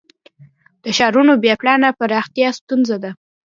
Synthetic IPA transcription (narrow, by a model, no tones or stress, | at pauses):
d̪̥əʃɑɾunobeplɑnapəɾɑxt̪ijɑst̪unzad̪a